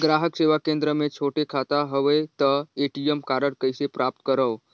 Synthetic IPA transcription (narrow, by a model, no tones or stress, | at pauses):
ɡɾaɦəkseʋakẽnd̪ɾəmẽt͡ʃʰoʈekʰat̪aɦəʋəjt̪əeʈijəmkaɾəɽkəjsepɾʔap̚t̪kəɾəʋ